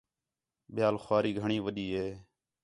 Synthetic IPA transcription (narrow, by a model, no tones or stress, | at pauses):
ɓɪjaːlxwaːɾiːɡʱəɳiːʋəɗiːɦeː